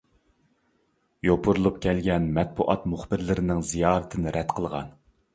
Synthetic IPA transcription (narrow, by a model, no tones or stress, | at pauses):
jopʰʊɾlˠup̚kʲʰɛlɡʲɛnmɛt̪̚buʔɑt̪muχbɪɾlɪɾɪnɪŋzijɑːɾɨt̪ʰɪnɪɾʔɛd̪qʰəlˠʁɑ̰n